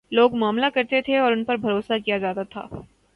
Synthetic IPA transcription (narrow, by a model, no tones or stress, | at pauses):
loːɡmaːmlakɐɾt̪et̪ʰeɔːɾʊnpɐɾbʱɐɾoːsakijad͡ʒaːt̪at̪ʰa̰ː